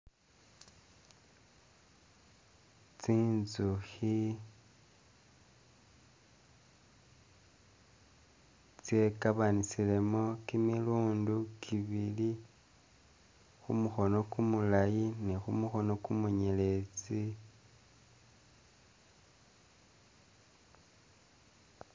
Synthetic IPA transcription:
t͡siːnzuxi | t͡sje̞kaβanisile̞mo̞kimiluːndukʰiβili | xumuxo̞no̞kumulajinexumuxo̞no̞kumuɲele̞t͡si

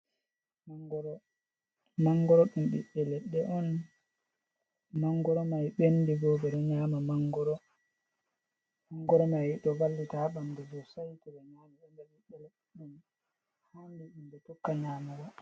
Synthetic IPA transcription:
maɡɾ | maŋɡɔɾɔɗumɓḭɓːɛlɛɗːɛʔɔn | maŋɡɔɾɔmajɓendiɡɔbɛɗɔɲaːmamaŋɡɔɾɔ | maŋɡɔɾɔmajɗɔvalːitaɓamdɛdɔsajtɛbɛɲaːmaɗɔndɛɓiɓːɛlɛɗ | ɗun | handiɗumbɛtɔkːaɲaːmaɡɔ

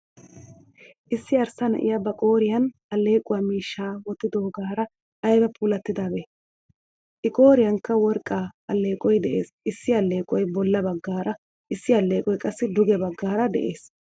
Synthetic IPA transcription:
ʔɪsːɪɐɾsɐnɐ̰ʔɪ̰jɐbɐkʼo̞ːɾɪjɐnɐlːe̞ːkʼʊwaːmiːʃːaːwɔt̪ːɪd̪oɔɡaːɾɐ | ɐjɡɐpʰʼuːlɐt̪ːɪd̪abeː | ʔɪkʼo̞ːɾɪjɐnkːɐwɔɾkʼːaːɐlːe̞ːkʼɔjd̪ɛʔe̞̰ːs | ɪsːɪɐlːe̞ːkʼɔjbɔlːɐbɐɡːaːɾɐ | ʔɪsːɪɐlːe̞ːkʼɔjkʼɐsːɪd̪ʊɡɛbɐɡːaːɾɐd̪ɛ̰ʔe̞ːs

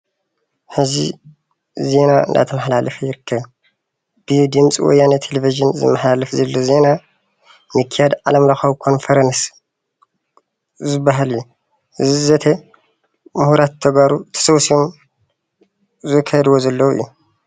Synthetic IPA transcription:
ħɨzḭ | ze̞naɨ̰nd̪a̰t̪ʰɐmɐħlalɐfɐjɪɾɨkʰːɐβ | b̥ɨd̪ɨmt͡sʼiwɔ̰jːanɐt̪ʰelefiʒɨnzɨ̰mːɐħlalɐfzɐlːoze̞na | mɨkʰːijad̪ʕa̰lɐmlaxɐwkʰo̞nfɐɾɐns | zɨbːaɦalɨjːu | ɨzzɐt̪ʰɐ | muhuɾat̪ʰːɐɡaɾut̪ʰɐ̥sɐwsiom | zɨkʰɐd̪wozɐlːɐwɨ̰jːu

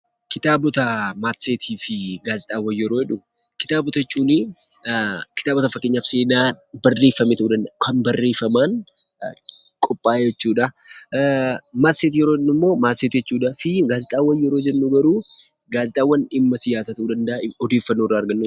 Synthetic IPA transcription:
kɪt̪aːbɔt̪ɐmaːt̪seːt̪ʰiːfɪɡaːzɪt̪ʼaːwɐjːɛɾo̞ːhɛᶑʊ | kɪ̥t̪aːbɔt̪ɐt͡ʃʼːuːnɪ | kɪ̥t̪aːbɔt̪ɐfɐkːeːɲːafse̞ːnaːbɐrːe̞ːfːɐmet̪ɐʔuːd̪ɐnd̪ɐkʰɐmbɐrːe̞ːfɐmaːn | kʼɔpʼːaːjɛt͡ʃːuːᶑɐ | maːt̪seːt̪ijɛɾoːhɛᶑːʊɪmːo̞ːmaːt̪seːt̪ijɛt͡ʃːuːᶑɐfɪɡaːzɪt̪ʼaːwɐjːɛɾoːd͡ʒɛnːuɡɐɾuː | ɡaːzɪt̪ʼaːwːɐnɪmːɐsɪjaːsaːt̪ɐʔuːd̪ɐnd̪ɐʔɔd̪e̞ːfːɐnːorːaːɾɡɐnːu

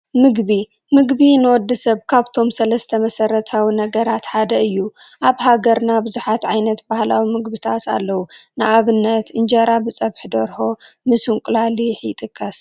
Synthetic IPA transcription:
mɨɡbi | mɨɡbinɨwɔd̪ːɐsɐβkʰaβt̪ʰo̞msɐlɐst̪ʰɐmɐsɐɾɐt̪ʰawinɐɡɐɾat̪ħad̪ɐɨjːu | ʔaβhaɡɐɾnabɨzuħat̪ʕajnɐt̪bahlawimɨɡbɨt̪ʰat̪ʰa̰lːɐwunɨʔaβɨnːɐt̪ɨnd͡ʒɐɾabɨt͡sʼɐβħd̪ɐɾho̞mɨsɨŋkʷʼlaliħjɪt̪ʼɨkʼːɐs

